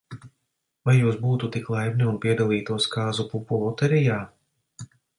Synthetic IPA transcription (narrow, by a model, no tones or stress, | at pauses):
vajːuːs̬buːt̪ut̪iklˠajbniunpiɛd̪alˠiːt̪uɔskaːzupupulˠut̪ɛɾijaː